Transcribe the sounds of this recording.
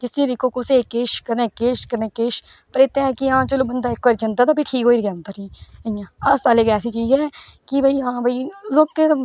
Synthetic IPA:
d͡ʒɪsẽːd̪ɪkʰːoːkʊsekːeːʃkənẽːkːeːʃkənẽːkːeːʃ | pəɾeːt̪ẽɛːkiãːt͡ʃəloːbənd̪aːɪkʋaːɾd͡ʒə̃nd̪aːt̪aːpiʈʰiːkɦoːiɡãːnt̪aɾiːəãːɐsaːleːkɛːsit͡ʃiːzɛː | kibʱəiːãːbʱəiloːkke

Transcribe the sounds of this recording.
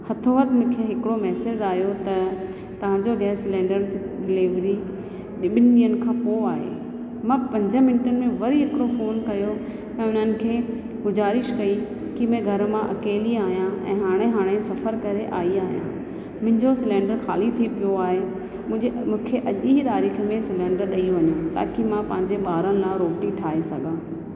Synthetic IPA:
hɐt̪ʰoʋɐt̪mʊ̃ːkʰeɦɪkɪɽomɛːseːd͡ʑaːɦjot̪ɐ | t̪ɐʋ̤ãːɲd͡ʑod̪aːsɪlɛ̃ːɳɖəɾd͡ʑɖɪleːʋɾi | ɓɪniːən̆kʰãːpoaːɦḛ | mãːpɐ̃ɲd͡ʑə̃mɪnɪʈənɪ̆mẽʋɐɾiɦɪkɽofoːnkɐjo | ɛ̃ʊn̤ənɪ̆kʰeː | ɡʊzaːɾɪʃkɐi | kimẽɡʱɐɾmãʔɐkeːliaːɦijãɛ̰̃ːɦaːɽ̃eɦaːɽ̃esɐfəɾkɐɾeʔaːiaːɦijã̰ː | mʊ̃ɦɪ̃ɲd͡ʑosɪlɛ̃ːɳɖəɾxaːlit̪ʰipijoaːɦẽ | mũːkʰeʔɐʄiɦit̪aːɾiːxmẽsɪlẽːɳɖəɾɗɐiõʋɐɲũt̪a̰ːkimãpɐ̃ɦɪ̃ɲd͡ʑeɓaːɾənɪ̆lãːɾoːbʈiʈʰaːɦesɐɡʱãː

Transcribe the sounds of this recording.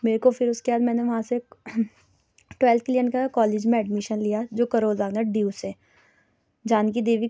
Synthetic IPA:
meːɾekofɪɾʊskebaːd̪mɛ̃ːneʋɐɦãse | ʈwɛːlt̪̚ʰkɪlijənkakɔːleːd͡ʒmẽɛɖmɪʃənlijad͡ʒoːkɐɾoːɾzaːɡnaɖiuːsɛː | d͡ʒaːnkid̪eːʋi

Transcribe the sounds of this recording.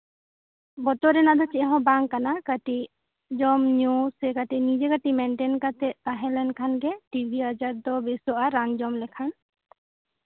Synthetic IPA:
bɔt̪ɔɾɛnad̪ɔt͡ʃɛʔɦɔ̃baŋkːanakəʈi | d͡ʒɔmɲusɛkaʈinid͡ʒɛkaʈimɛɳʈɛnkat̪ɛʔ̚t̪aɦɛ̃lɛnkʰanɡɛʈibʱiəd͡ʒaɾd̪ɔbisɔʔaɾːand͡ʒɔmlɛkʰan

